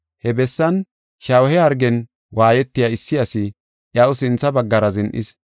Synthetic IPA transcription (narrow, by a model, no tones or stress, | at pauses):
hɛbɛsːɐn | ʃɐwhɛhɐɾɡɛn | waːjɛt̪ːɪjaɪsːɪjɐsɪ | ʔjɐʔʊsɪnt͡sːɐbɐɡːɐɾɐzɪnʔɪ̰s